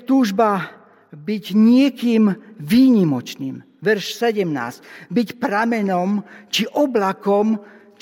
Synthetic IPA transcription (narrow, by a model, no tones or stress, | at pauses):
t̪uːʒba | biɟɲɪɛkiːmʋiːɲimɔt͡ʃniːm | ʋɛɾʃsɛɟɛmna̰ːscbicpɾamɛnɔmt͡ʃiʔɔblakɔm | t͡ʃ